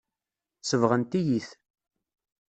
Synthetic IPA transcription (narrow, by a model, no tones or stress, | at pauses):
səvʁənt̪ijiθ